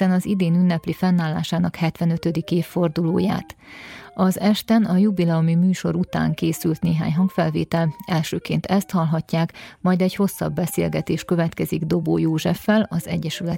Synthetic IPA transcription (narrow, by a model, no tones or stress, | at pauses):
ɛnɒzid̪eːnynːɛplifɛnːaːlːa̰ːʃaːnɒkhɛt̪ʋɛnø̞t̪ød̪ikeːfːo̞rd̪uloːja̰ːt̪ɒzɛʃt̪ɛnɒjubilɛomimyːʃo̞ɾut̪a̰ːŋkeːsylt̪neːɦa̰ːɲɦɒŋkfɛlvḛːt̪ɛlɛlʃøːkeːnt̪ɛst̪hɒlɦɒcːaːkmɒjd̪ɛcho̞sːɒ̰bːɛsḛːlɡɛt̪eːʃkø̞vɛt̪kɛziɡd̪o̞boːjoːʒɛfːɛlɒzɛ̰ɟːɛʃylɛ